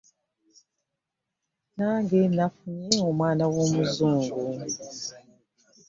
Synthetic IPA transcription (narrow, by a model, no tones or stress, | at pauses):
naːŋɡenafuɲeomwaːnawo̞ːmuzuːŋɡu